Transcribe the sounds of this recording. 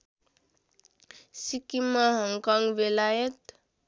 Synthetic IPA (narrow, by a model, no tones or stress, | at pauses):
sikimaɦɔŋkɔŋɡʋelajet̪